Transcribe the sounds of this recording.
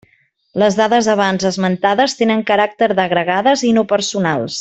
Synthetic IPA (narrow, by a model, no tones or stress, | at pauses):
ləzðaðəzəβanzəzmənt̪aðəst̪enəŋkəɾak̚t̪əɾðəɣɾəɣaðəzinopəɾsunalˠs